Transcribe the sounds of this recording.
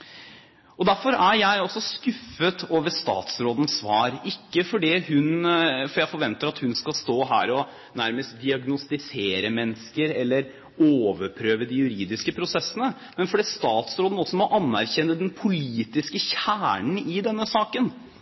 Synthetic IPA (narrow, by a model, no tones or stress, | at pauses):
ʔɔd̪æɾfɔɾæɾjæɪɔsːɔskʉfːət̪ʰoːʋəst̪ɑ̰ːt̪sɾoːd̪ənsʋɑːɾɪkːəfɔɖiːhʉnfɔɾjæɪfɔɾʋɛnt̪əɾɑt̪hʉnskɑlst̪oːɦæ̰ːɾɔ | næɾməst̪̚d̪ɪɑɡnʊst̪ɪseːɾəmɛnskəɾɛlːəɾ | oːʋəɾpʰɾøːʋəd̪ɪjʉɾiːd̪ɪskəpʰɾʊsɛsːənə | mɛnfɔɖiːst̪ɑːt̪sɾoːd̪n̩ɔsːɔmɔʔɑnːæɾçɛnːəd̪ɛnpʰʊliːt̪ɪskəçæːɳɳ̩ɪd̪ɛnːəsɑːkən